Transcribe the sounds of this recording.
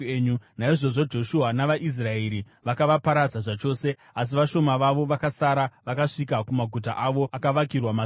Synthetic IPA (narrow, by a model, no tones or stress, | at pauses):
ɲunaiʐo̞ʐo̞d͡ʒo̞ʃuɦanaʋaʔis̬raeɾi | ʋakaʋapaɾad͡zaʐat͡ʃo̞ːse̞ | as̬iʋaʃo̞maʋaʋo̞ʋakasaɾaʋakaʂikakumaɡʱut̬a̰ʔaʋo̞ʔakaʋakirwama